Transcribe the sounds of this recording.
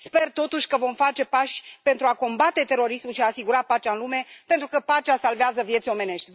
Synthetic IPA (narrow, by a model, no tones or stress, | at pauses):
spe̞rt̪o̞t̪uʃʲkəvo̞mfat͡ʃe̞paʃʲpe̞nt̪ɾuako̞mbat̪e̞t̪e̞ɾo̞ɾismuʃiaːsiɡuɾapat͡ʃaɨnlume̞pe̞nt̪ɾukəpat͡ʃasalveazəvje̞t̪sʲo̞me̞ne̞ʃt̪ʲ